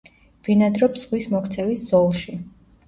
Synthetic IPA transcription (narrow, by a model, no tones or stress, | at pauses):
v̥inad̪ɾɔpz̥ʁwismɔkʰt̪sʰɛlisz̥ɔlˠʃi